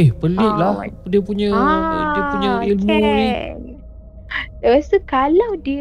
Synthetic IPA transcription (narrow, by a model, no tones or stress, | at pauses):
ɪhpəlɪʔ̚lahdiəpuɲədiəpuɲəilmũni | past̪ukalawdi